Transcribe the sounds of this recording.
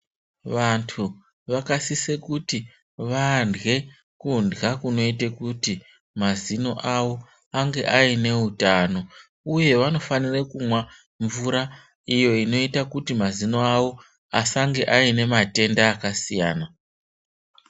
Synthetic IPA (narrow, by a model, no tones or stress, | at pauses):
ʋantʰu | ʋakasisekuti | ʋandɣe̞ | kundɡakuno̞itekuti | mazino̞ʔawo̞ | aŋɡe̞ʔaine̞utano̞ | uje̞ʋano̞fanirekumwa | ɱvuɾa | ijo̞ino̞itakutimazino̞awo̞ | asaŋɡe̞ʔaine̞mate̞ndaːkasija̰ːna